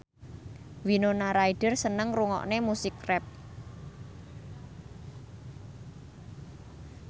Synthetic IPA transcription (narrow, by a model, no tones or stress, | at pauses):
winonaɾaiɖ̥ərsənəŋruŋɔ̰ʔnemusɪkrɛp̚